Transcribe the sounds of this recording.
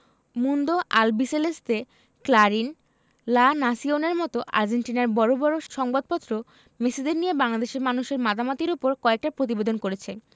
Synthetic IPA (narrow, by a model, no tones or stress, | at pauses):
mund̪oʔalbiselest̪e | klaɾin | lanasioneɾmɔt̪oʔa̰ɾd͡ʑenʈinaɾbɔɾobɔɾoʃɔŋbad̪̚pɔt̪ːɾo | mesid̪eɾnijebaŋlad̪eʃeɾmanuʃeɾmad̪amat̪iɾupoɾkɔek̚ʈapɾot̪̬ibed̪onkoɾet͡ɕʰe